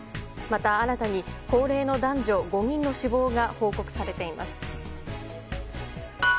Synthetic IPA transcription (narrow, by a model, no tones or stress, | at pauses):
mat̪aːɾat̪aɲ̟iko̞ːɾe̞ːno̞d̪ãɲ̟d͡ʑo̞ɡo̞ɲ̟ĩnːo̞ɕibo̞ːɡaho̞ːko̞kɯ̟̥saɾe̞t̪e̞ima̰sɨ̥